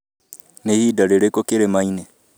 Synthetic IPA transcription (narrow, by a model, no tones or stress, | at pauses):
nehidaɾeɾekokeɾemaine